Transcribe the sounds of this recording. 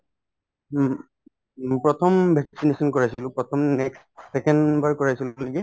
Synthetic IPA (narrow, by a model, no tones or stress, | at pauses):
pɹɔtʰɔmbʱɛksinesɔnkɔɹajsilʊ̃pɹɔtʰɔmnɛks | sɛkɛnbaɹkɔɹajsillaɡɛ